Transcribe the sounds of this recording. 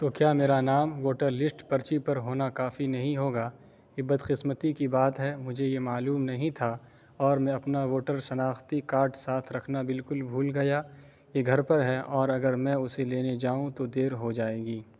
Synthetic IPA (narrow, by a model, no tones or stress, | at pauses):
t̪okjaːmeːɾanaːmʋoːʈəɾlɪsʈpɐɾt͡ʃipɐɾɦoːnakaːfinɐɦĩɦoːɡaː | kɪbɐd̪qɪsmət̪ikibaːt̪ɦɛmʊd͡ʒʱejemaːluːmnɐɦĩt̪ʰa | ɔːɾmɛ̃ɐpnaʋoːʈəɾʃɐnaːxt̪ikaːɾʈsaːt̪ʰɾɐkʰnabɪlkʊlbʱuːlɡɐja | jeɡʱɐɾpɐɾɦɛʔɔːɾɐɡəɾmɛ̃ʊseleːned͡ʒaːũt̪od̪eːɾɦod͡ʒaːeːɡiː